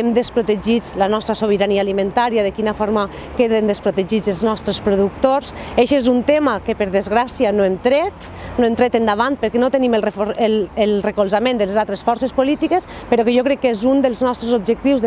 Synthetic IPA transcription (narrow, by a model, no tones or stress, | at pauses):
emd̪espɾot̪eʒid͡zlanɔst̪ɾasoβ̞əɾaniaːlimẽnt̪aɾiaðekinafoɾma | keðend̪espɾot̪eʒid͡zelˠznɔst̪ɾespɾuðukt̪oɾseʃezunt̪emakepəɾðezɣɾasianoemt̪ɾɛt̪ | noemt̪ɾɛt̪end̪aβ̞ant̪̚pəɾkɛnot̪eniməlˠrefoɾelelrekolˠzamẽnd̪əlezalˠt̪ɾesfɔɾsespolit̪ikespəɾɔkeʒokɾɛkːezund̪əlˠznɔst̪ɾezob̚ʒek̚t̪iwz